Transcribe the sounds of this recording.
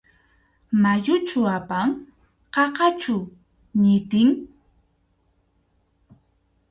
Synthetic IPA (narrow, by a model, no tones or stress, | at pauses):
majʊt͡ʃʊapaŋ | qɑqɑt͡ʃʊ | ɲɪt̪ɪŋ